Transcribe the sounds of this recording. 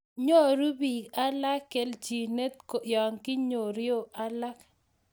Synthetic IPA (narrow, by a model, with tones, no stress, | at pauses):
ɲo˦ɾu˦bi˨ka˦la˦kːe˨ld͡ʒi˨ne˦t̪ko˨jɔ˨ŋkɪ˦ɲo˨ɾjo˦ʔa˦la˦k